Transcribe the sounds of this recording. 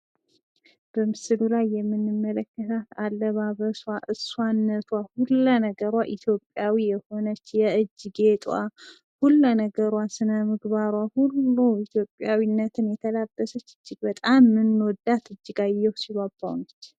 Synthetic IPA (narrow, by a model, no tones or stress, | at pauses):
b̥əmɨsɨlulajːɛmːɨnːɨmːələkːət̪ʰat̪alːəβaβəswaʔɨswanːət̪ʰwahulːanəɡəɾwaʔit̪ʰjo̞pʼjawijɛho̞nət͡ʃːjɛɨd͡ʒːɨɡet̪ʼwa̰ | hulːənəɡəɾwasɨnəmɨɡβaɾwahulːuit̪ʰjo̞pʼːjawinːət̪ʰɨnjɛt̪ʰəlabːəsət͡ʃːɨd͡ʒːɪɡbət̪ʼamːɨnod̪at̪ɨd͡ʒːɨɡajːɛwsiβabːa̰wnət͡ʃː